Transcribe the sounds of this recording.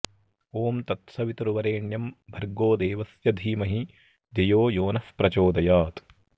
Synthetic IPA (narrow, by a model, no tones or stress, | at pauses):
oːmt̪ɐt̪sɐʋit̪ɐɾuʋɐɾeːɳjɐmbʱɐɾɡoːd̪eːʋɐsjɐd̪ʱiːmɐɦi | d̪ɐjoːjoːnɐfpɾɐt͡ʃoːd̪ɐjaːt̪